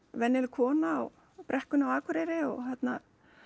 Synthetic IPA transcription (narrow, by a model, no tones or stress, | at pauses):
vɛnːɪlkʰɔːnaːw | pɾʔɛhkʏnawaːkʰʏɾejɾɪɔ̰θat̪na